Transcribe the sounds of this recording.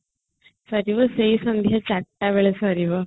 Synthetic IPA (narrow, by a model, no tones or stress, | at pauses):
sɐɾiʋɐsejsɐnd̪ʱjat͡ɕɐʈːaʋeɭesɐɾiʋɐ